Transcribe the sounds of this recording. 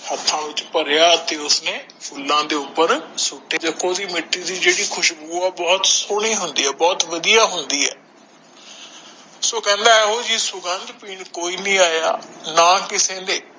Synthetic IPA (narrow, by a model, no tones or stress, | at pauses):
hət̪ʰːãːʋɪt͡ʃpəɾjaːt̪eːʊsneː | pʰʊlːãːd̪eːʊpːəɾsʊʈːeːd͡ʒəkoːd̪iːmɪʈːiːd̪iːd͡ʒeːɽiːkʰʊʃbuːɛːbɔːt̪soːɽ̃iːɦʊnd̪iːɛːbɔːt̪ʋəd̪ijaːɦʊnd̪iːɛ̰ː | soːkɛ̃ːnd̪aːɛːoːd͡ʒiːsʊɡənd̪piːɳkoːiːnĩːaːjaːnaːkɪsẽːd̪eː